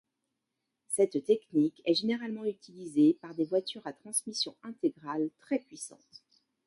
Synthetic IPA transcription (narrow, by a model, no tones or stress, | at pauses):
sɛt̪t̪ɛknikɛʒeneʁalmɑ̃yt̪ilizepaʁd̪evwat̪yʁat̪χɑ̃smisjɔ̃ɛ̃t̪eɡʁalt̪χɛpɥisɑ̰̃t̪